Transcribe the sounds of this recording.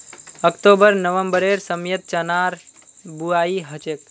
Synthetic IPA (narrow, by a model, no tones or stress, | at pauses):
əkt̪oːbəɾnəʋəmbəɾeɾsəmjət̪̚t͡ʃənaːɾbuaːiɦət͡ʃek